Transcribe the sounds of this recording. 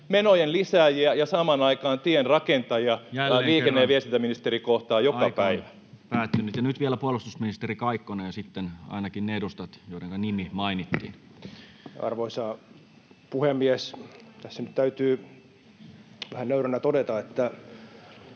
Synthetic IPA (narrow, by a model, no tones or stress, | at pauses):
menojenlisæːjiæjɑsɑmɑnɑikɑːnt̪ienrɑkent̪ɑjɑjælliːkenːeːʋiest̪int̪æminist̪eɾikoht̪ɑːjoɑpæiʋæ | pæːt̪ːynyt̪jɑnyt̪ʋielæpuolust̪usminist̪erikɑikːonɑjɑsit̪ːenɑ̰inɑkinneedust̪ɑt̪joideŋkɑnimimɑinit̪ːḭːn | ɑ̰rʋoisɑː | puhemːiest̪æsːænyt̪t̪æyt̪yː | ʋæhænøyɾænæt̪odet̪ɑet̪ːæ